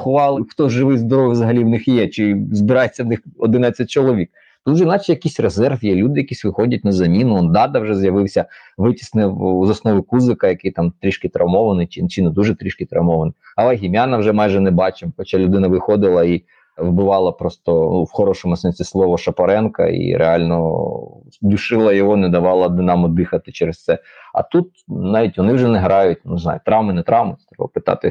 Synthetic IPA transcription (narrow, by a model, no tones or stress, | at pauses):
xʊʋɑlˠɪxt̪ɔʒɪʋɪjʲzd̪ɔɾɔʋʲjzɐɦɐlʲiwnɪxjɛt͡ʃɪzbɪɾɑjet͡sʲːɐwnɪxɔd̪ɪnɑt͡sʲɐt̚ʲt͡ʃɔlˠɔʋʲik̚ | t̪ut̪wʒɛnɑt͡ʃɪjɐkisʲrezɛrfjɛlʲud̪ɪjɐkisʲʋɪxɔdʲɐt̚ʲnɐzɐmʲinʊɔnd̪ɑd̪ɐwʒɛzjɐʋɪwsʲɐ | ʋɪtʲi̥snɪwzɐsnɔʋɪkuzɪkɐjɐkɪjt̪ɑmt̪ɾʲiʃkɪt̪ɾɐwmɔʋɐnɪjt͡ʃɪt͡ʃɪnɛd̪uʒɛt̪ɾʲiʃkɪt̪ɾɐwmɔʋɐnɪjɐlˠɛɦʲimʲjanɐwʒɛmɑjʒɛnɛbɑt͡ʃɪmxɔt͡ʃalʲʊd̪ɪnɐʋɪxɔd̪ɪlˠɐi | ʋbɪʋɑlˠɐpɾɔst̪ɔnuwxɔɾɔʃɔmʊsɛnʲsʲislˠɔʋɔʃɐpɐɾɛnkɐ̰ḭɾḛɑlʲnɔ | d̪ʲʊʃɪlˠɐjɔɦɔnɛd̪ɐʋɑlˠɐd̪ɪnɑmʊd̪ɪxɐt̪ɪt͡ʃɛɾest̪sɛɐ̰t̪ut̪nɑʋʲitʲʋɔnɪwʒɛnɛɦɾɑjʊt̚ʲnʊznɑ̰jʊt̪ɾɑwmɪnɛt̪ɾɑwmɪ̥t̪ɾɛbɐ̰pɪt̪ɑ̰t̪ɪ